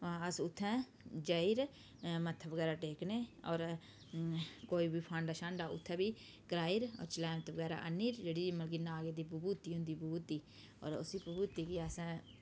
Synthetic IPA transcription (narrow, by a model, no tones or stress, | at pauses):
əsʊt̪ʰːɛ̃ː | d͡ʒəiɾ | mət̪ʰəʋəɡɛːɾaːʈeːkneːɔːɾ | koːiːbʱiːpʰãːɳɖaʃãːɳɖaːʊ̰t̪ʰːɛ̃ːbiː | kɾaːiɾɔ̰ːɾt͡ʃɪlaːmət̪ʰəʋəɡɛːɾa̰ːʔənːiːɾd͡ʒeːɽiːməlɡiːnaːɡeːd̪iːpəbuːt̪iːɦʊ̃nd̪iːpubuːt̪iː | ɔ̰ːɾʊ̰siːpəbuːt̪iːkiːəs